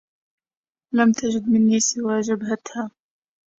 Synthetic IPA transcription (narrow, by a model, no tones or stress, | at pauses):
lamt̪ad͡ʒɪd̪mɪnːiːsɪwaːʒabhat̪haː